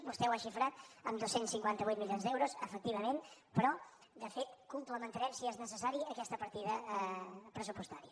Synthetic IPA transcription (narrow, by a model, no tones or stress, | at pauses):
bust̪ɛwaʃifɾat̪əmd̪osːensiŋkwant̪əβujt̪̚miljonzd̪ɛwɾuzəfək̚t̪iβ̞əmenpɾɔ | d̪əfet̪kumpləmənt̪əɾɛmsiɛznəsəsaɾiəkɛst̪əpəɾt̪iðə | pɾəs̬upust̪aɾiə